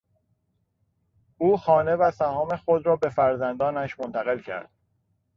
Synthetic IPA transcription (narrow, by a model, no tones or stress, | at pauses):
ʔuːxɒːne̞væsæhɒːmexo̞d̪ɾɒːbe̞fæɾzænd̪ɒːnæʃmont̪ʰæɣe̞lcʰæ̰ɾd̪̥̚